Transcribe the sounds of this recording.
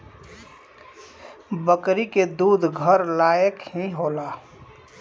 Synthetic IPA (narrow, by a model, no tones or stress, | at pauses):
bəkɾiked̪uːd̪ʱɡʱəɾlaːjəkɦĩɦoːlaː